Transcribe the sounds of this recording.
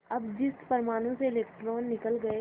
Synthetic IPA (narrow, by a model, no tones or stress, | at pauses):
ɐbd͡ʒɪst̪pɐɾmaːnõseɪleːkʈɾoːnːɪkəlɡɐe